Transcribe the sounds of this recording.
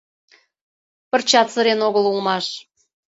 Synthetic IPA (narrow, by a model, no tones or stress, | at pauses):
pə̆rt͡ɕɑt̪t͡sə̆ɾenoɣəlulmɑʃ